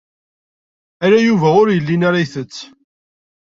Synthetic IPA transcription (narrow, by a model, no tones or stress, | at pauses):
æɾajuvæʊɾjəlːinaɾajθət͡sː